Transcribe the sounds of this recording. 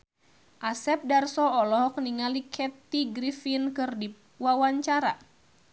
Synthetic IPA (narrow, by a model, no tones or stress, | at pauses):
ʔasɛp̚darsɔɔlɔɦɔk̚niŋalikʰɛt̪iɡɾifinkɨrdi | wawaɲt͡ʃaɾa̰